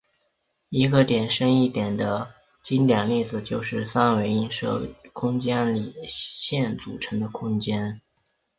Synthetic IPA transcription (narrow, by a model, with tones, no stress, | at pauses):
i˧˥ɡə˧t̪jɛ˨˩nʂə˥ŋi˥˩t̪jɛ˨˩nd̪ə˦ | t͡ɕi˥nt̪jɛ˨˩nli˥˩d͡zɹ̩˨˩t͡ɕjo˥˧ʊʂɻ̩˥˧fa˥˩nwe˧˥ɪi˥nʂɤ̰˥˩kʰʊ˥ŋt͡ɕjɛ˥nli˨˩ɕjɛ˥˩nt͡su˨˩ʈ͡ʂʰɤ˧˥ŋd̪ə˧kʰʊ˥ŋt͡ɕjɛ˥n